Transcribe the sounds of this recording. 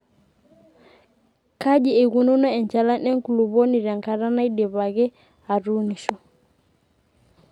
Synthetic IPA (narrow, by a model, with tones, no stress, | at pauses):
ka˦ʄi˨ɛ˨ɣu˨nu˦na˦ɛ˨nt͡ʃa˨la˦nɛ˦ŋ˦ku˨lu˨βɔ˦ni˨ɾa˨ŋka˨ɾa˦na˦i˦ɗɛ˨βa˨ɣɛ˦ | a˨ɾu˦ni˨ʃɔ˨